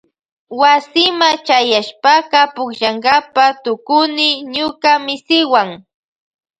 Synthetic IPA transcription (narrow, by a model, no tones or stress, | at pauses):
wasɪmat͡ʃajaʃpakɑpʊkʃaŋɢapat̪ʊkʊnɪɲʊkamɪsɪwaŋ